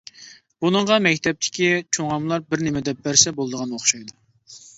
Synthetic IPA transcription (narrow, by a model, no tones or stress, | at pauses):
b̥unəɴʁɑmɛkʲt̪ʰɛp̚t̪ʰɪ̥kʲit͡ʃʰoŋɑmlˠɑɾbɪɾnɪmɪd̪ɛp̚bæɾsɛbolˠd̪əʁɑnoχʃɑjd̪u